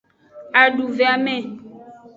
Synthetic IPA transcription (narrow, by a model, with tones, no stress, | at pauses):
a˨ɖu˨ve˨a˨mɛ̃˦˨